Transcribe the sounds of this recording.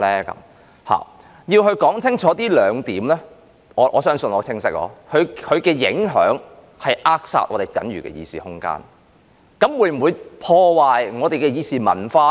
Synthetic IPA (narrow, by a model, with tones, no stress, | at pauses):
lɛː˥kɐ̰˨˧˦m | ha̰ː˨˩ | jiː˧wɦɵ˧ɥkɔː˨˥ŋt͡sʰɪ˥ŋt͡ʃʰɔː˨˥t̪iː˥lœː˨˧ŋt̪iː˨˥mlɛː˥ | ɔː˨˧˥ʔɔ̰ː˨˧sœː˥ŋsə˧nɔː˨˧t͡sʰɪ˥ŋsɪ˥k̚lɔ̰ː˨˥hɵ˨˧ɥhɵ˨˧ɥkɛː˧jɪ̰˨˥ŋɦœ̰ː˨˥ŋ | hɐ˨jʔaː˥k̚sa̰ː˧t̚ʔɔː˨˧ɾe˨jkɐ˨˥nɥy̰ː˨˩kɛ̰ː˧jḭː˧siː˨hʊ˥ŋka̰ː˧˥n | kɐ˨˥mwuː˨˥jm̩˨˩wuː˨˧jpʰɔː˧waː˨jŋɔː˨˧t̪e˨jkɛː˧jiː˨˧siː˨mɐ̰˨˩nfaː˧